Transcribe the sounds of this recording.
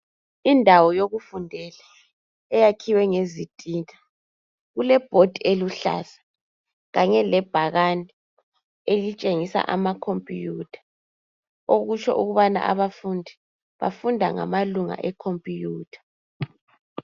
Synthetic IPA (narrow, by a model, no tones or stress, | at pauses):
indʱawɔjoɣufundʱɛla | ɛjakʰiwɛŋezitʼiːtʰʼḁ | ɣulɛb̥ʱod̥ʱieluɬa̰sḁ | ɣaɲɛlɛb̥ʱaɣanʱi | elit͡ʃʼeŋisa̰ʔamakʰompʼijutʰḁ | oɣut͡ʃʰɔ̰ʔuɣuβana̰ʔa̰βafundʱi | βa̰fundʱa̰ŋa̰maluŋa̰ʔɛkʰompʼijuːtʰḁ